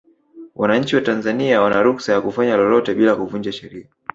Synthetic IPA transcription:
wʔanaɲ̩t͡ʃiwatanzaniawanaɾuksajakufaɲalɔlɔtɛɓilakuvuɲd͡ʒaʃɛɾia

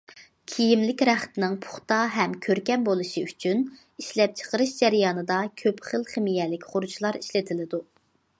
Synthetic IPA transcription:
kʲʰijimlɪkʲɾæχt̪ɪnɪŋpʰʊ̥χt̪ɑɦɛmkʲʰøɾkʲɛnbolˠuʃiyt͡ʃʰyn | iʃlɛp̚t͡ʃʰə̥qəɾɨʃd͡ʒæɾjɑːnɨd̪ɑkʲʰøpχəlˠχɪmijɛlɪkʲχʊɾut͡ʃʰlˠɑɾiʃlɪt̪ʰɪlɪd̪u

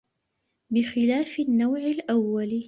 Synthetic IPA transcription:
bɪxɪlaːfɪnːawʕɪlʔawːal

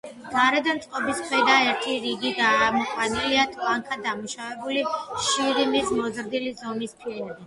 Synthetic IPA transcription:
ɡ̥aɾɛd̪amt̪sʼqʼɔbiskʰwɛd̪aɛɾt̪ʰiɾiɡiɡaːmɔkʰʼwaniliat̪ʰlaŋkʰad̪amuʃavɛbuliʃiɾimismɔzɾd̪ilizɔmispʰiɛnbi

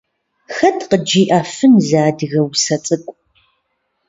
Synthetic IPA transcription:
xɐtʰqəd͡ʒiːʔaːfɨnzaːdɨɣɐwsɐt͡sʼɨkʷʼ

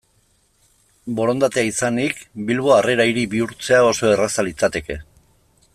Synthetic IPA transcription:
bo̞ɾo̞nd̪at̪e̞aisanikbilβo̞areɾajɾibiuɾt͡se̞ao̞so̞e̞rasalit͡sat̪e̞ke

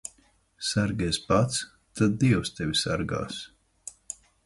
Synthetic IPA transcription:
saɾɡʲɛspat̪s | t̪ad̪̚d̪iɛwst̪ɛvʲisaɾɡa̰ːs

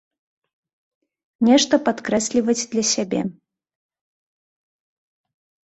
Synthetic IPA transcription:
nʲɛʂt̪ɐpat̪kɾɛsʲlʲivət͡sʲd̪lʲɐsʲabʲḛ

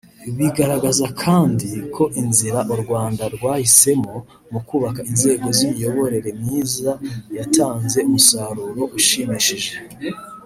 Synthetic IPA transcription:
βiɡaɾaɡazakʰaːndikʰo̞ʔinziɾaʔuɾɡwaːndaɾɡwaːhise̞mo̞ | mukuːβakainze̞ːɡo̞zimijo̞βo̞ɾe̞ɾe̞mɲiːzajatʰaːnze̞umusaɾuːɾo̞ʔuʃimiʃiʒe

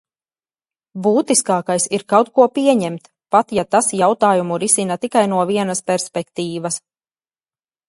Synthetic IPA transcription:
buːt̪iskaːkajsiɾkawt̪̚kuɔpiɛɲɛmt̪ | pat̪jat̪asjawt̪aːjumuɾisinat̪ikajnuɔviɛnɐspʲɛɾspʲɛkt̪iːvɐs

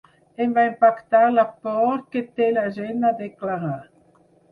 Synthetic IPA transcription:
emvaempakt̪alapɔɾket̪elaʒenad̪eklaɣa

